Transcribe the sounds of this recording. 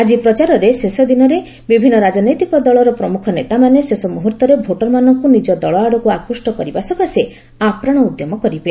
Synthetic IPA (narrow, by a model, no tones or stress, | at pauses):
ad͡ʒipɾɔt͡ʃaɾɔɾesesɔd̪inɔɾe | bibʱinːɔɾad͡ʒɔnɔjt̪ikɔd̪ɔɭɔɾɔpɾɔmukʰɔnet̪amanesesɔmuɦuɾt̪ɔɾebʱoʈɔɾmanɔŋkunid͡ʒɔd̪ɔɭɔaɽɔkuakɾusʈɔkɔɾibasɔkase | apɾaɽ̃ɔud̪jɔmɔkɔɾibe